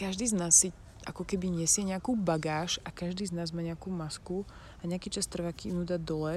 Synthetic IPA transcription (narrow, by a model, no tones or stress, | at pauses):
kaʒd̪iːznaːsːi | ʔa̰kɔkɛbiɲɛsɪɛɲɪakuːbaɡaːʃakaʒd̪iːznaːzmaːɲɪakuːmasku | aɲɛakiːt͡ʃast̪r̩ʋaːkinuːd̪ad̪ɔlɛ